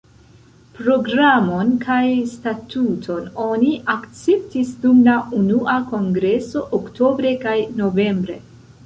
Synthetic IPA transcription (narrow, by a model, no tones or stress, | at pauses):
pɾo̞ɡɾamo̞nkʰajstatutʰo̞no̞niʔakt͡se̞ptisdumlaʔunuʔako̞ŋɡɾe̞so̞ʔokto̞bɾe̞kajno̞ve̞mbɾe̞̰